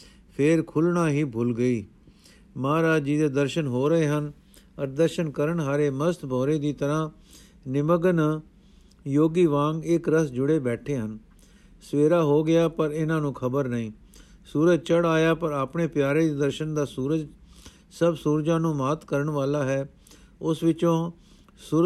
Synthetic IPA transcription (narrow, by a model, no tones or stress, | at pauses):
pʰɪːɾkʰʊlɳaːɦiːbʱʊlɡəiː | maːɾaːd͡ʒiːd̪eːd̪əɾʃənɦoːɾəɦeːɦən | əɾd̪əɾʃənkəɾəɳɦaːɾeːməst̪bʱɔːɾeːd̪iːt̪əɾãː | nɪməɡən | joːɡiːʋãːŋɡɪkɾəsd͡ʒʊɽeːbɛːʈʰeːɦən | sʋeːɾaːɦoːɡɪaːpəɾɪnãːnũːkʰəbəɾnəĩː | suːɾəd͡ʒt͡ʃəɽaːjaːpəɾaːpɳeːpjaːɾeːd̪iːd̪əɾʃənd̪aːsuːɾəd͡ʒ | səbsuːɾd͡ʒãːnũːmaːt̪kəɾəɳʋaːlaːɦɛː | ʊsʋɪt͡ʃõː | suː